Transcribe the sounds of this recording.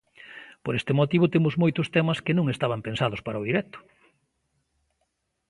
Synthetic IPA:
poɾest̪ɪmot̪iβʊt̪emʊzmojt̪ʊst̪emɐskenõŋest̪aβ̞ɐmpensaðʊspaɾɐʊðiɾɛk̚t̪ʊ̥

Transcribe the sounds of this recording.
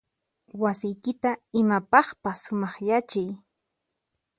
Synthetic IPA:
wasɪjkɪt̪aɪmapɑχpasːʊmɑχjat͡ʃɪj

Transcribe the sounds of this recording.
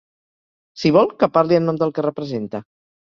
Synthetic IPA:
siβ̞ɔlˠkəpaɾliənɔmd̪əlˠkərəpɾəzent̪ə

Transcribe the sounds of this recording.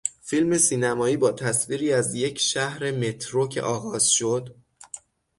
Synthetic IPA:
filme̞siːnæmɒːiːbɒːt̪ʰæsviːɾiːæzje̞cʰʃæhɾe̞me̞t̪ʰɾocʰḛʔɒːɣɒːz̥ʃo̞d̪

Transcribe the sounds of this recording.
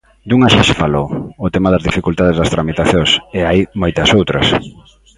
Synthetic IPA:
d̪uŋaʃaʃɪfalowʊt̪emaðɐzðifikult̪að̞ezðɐst̪ɾamit̪aθjõŋseajmojt̪ɐsowt̪ɾɐ̰s

